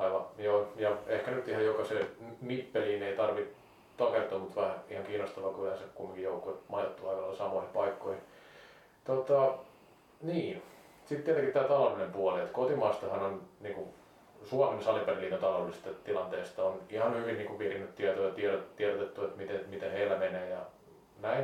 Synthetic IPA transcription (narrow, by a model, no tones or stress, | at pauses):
ɑiʋɑjoːjɑehkænyt̪ihɑjokɑseːnipːeliːneit̪ɑrʋi | t̪ɑkert̪uːmut̪ʋæhæihɑŋkiːnost̪ɑʋɑkylhænsekumːiŋkijjoukuet̪mɑjɑt̪ːuɑikɑlɑlːɑsɑmoihipɑikːoihi | t̪ot̪ɑ | niː | sit̪t̪ːiɛt̪eŋkitt̪æːt̪ɑlɑʋinempuɑliet̪kot̪imɑːst̪ɑhɑnonniːku | suɑmensɑliperilːiːnt̪ont̪ɑlolːˑisst̪ett̪ilɑnt̪eːst̪ɑonihɑnhyʋinniːkuʋʋirinːyt̪t̪iɛt̪ojɑt̪iɛɾot̪iɛɾot̪et̪ːuet̪mit̪emit̪eheilːæmeneːjɑ | næin